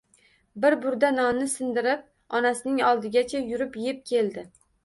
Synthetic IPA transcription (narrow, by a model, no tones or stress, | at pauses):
bɪɾbʊɾd̪anɒnnɪsɪnd̪ɪɾɪp̚ | ɒnasɪnɪŋɒlˠd̪ɪɡʲat͡ʃʰajʊɾɪpjep̚kʲʰe̞lˠd̪ɪ